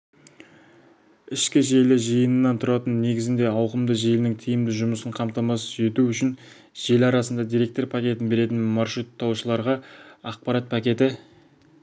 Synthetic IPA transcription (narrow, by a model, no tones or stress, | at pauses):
ɪʃkʲɪʒe̞lɪʒəjənənːɑnt̪ʰʊɾɑt̪ənːe̞ɡʲɪzɪnd̪e̞ɑwqəmd̪əʒejlnɪŋt̪ʰijɪmd̪ɪʒʊməsəɴqʰɑmt̪ɑmɑsʒe̞t̪uʏʃɪn | ʒ̥e̞lɑɾɑsənd̪ɑd̪ijɾe̞k̚t̪o̞ɾpʰakʲe̞t̪ɪnbe̞ɾe̞t̪̬ɪnmɑɾʃut̪ʰːɑwʃəlˠɑɾʁɑɑq̚pɑɾɑt̪̚pʰakʲe̞t̪ɪ